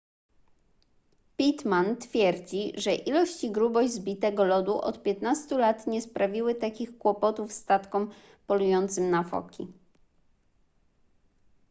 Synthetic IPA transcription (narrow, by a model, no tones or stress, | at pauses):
pʲit̪mant̪fʲjɛɾd͡ʑiʐɛʔilɔɕt͡ɕiɡɾubɔʑzbʲit̪ɛɡɔlɔd̪uʔɔ̰t̪pʲjɛt̪nast̪ulat̪ɲɛspɾavʲiwɘt̪akʲixkwɔpɔt̪ufst̪at̪kɔm | pɔlujɔnt̪sɘmnafɔ̰kʲi